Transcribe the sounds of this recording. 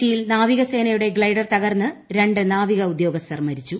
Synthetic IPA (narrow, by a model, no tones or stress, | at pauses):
ijilnaːʋiɣɐse̞ːnɐjuɽe̞ɡɭɐjɽɐrt̪ɐɣɐrnːɨɾe̞ɳɖɨnaːʋiɣɐud̪jo̞ːɡɐst̪ɐrmɐɾit͡ɕːu